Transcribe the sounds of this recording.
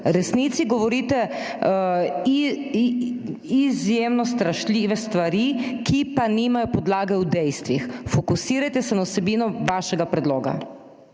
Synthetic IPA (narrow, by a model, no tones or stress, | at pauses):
ɾɛsniːt̪siɡɔʋɔɾiːt̪ɛ | izjemnɔst̪ɾaʃlʲiːʋɛst̪ʋaɾikipanimajɔpɔd̪laːɡɛwd̪ɛjst̪ʋixfɔkusiːɾajt̪ɛsɛnawsɛbiːnɔʋaʃɛɡapɾɛd̪loːɡa̰